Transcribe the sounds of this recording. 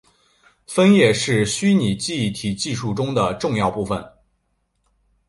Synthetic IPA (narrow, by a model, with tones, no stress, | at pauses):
fə˥njɛ˥˩ʂɻ̩˥˩ɕy˥ni˨˩t͡ɕi˥˩t̪ʰi˨˩t͡ɕi˥˧ʂu˥˩ʈ͡ʂʊ˥ŋd̪ə˨ʈ͡ʂʊ˥˧ŋjɑ˥˧ʊpu˥˩fə̰˩n